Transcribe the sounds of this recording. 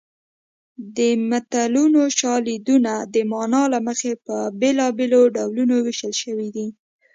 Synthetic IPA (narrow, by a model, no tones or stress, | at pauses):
d̪əmat̪alunoʃɑlid̪unad̪əmɑnɑlaməxepəbelɑbeloɖawlunowɪʃəlʃəwid̪i